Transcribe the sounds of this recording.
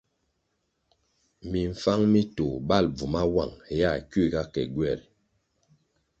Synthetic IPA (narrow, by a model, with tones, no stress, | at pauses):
mi˨ɱ̩˨fa˦ŋmi˦to˨ba˦˨lb͡vu˨ma˦wa̰˦˨ŋ˨ja˦˨ki˦˨ɡa˦kɛ̰˨ɡwɛ˦˨ɾ